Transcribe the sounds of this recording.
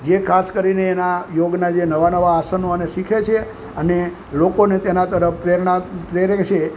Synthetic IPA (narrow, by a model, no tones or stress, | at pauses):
d͡ʒekʰaskəɾineːnajoɡnad͡ʒenəʋanəʋaːsənoəneʃikʰet͡ʃʰe | əne | lokonet̪enat̪əɾəfpɾeɾɳapɾeɾet͡ʃʰe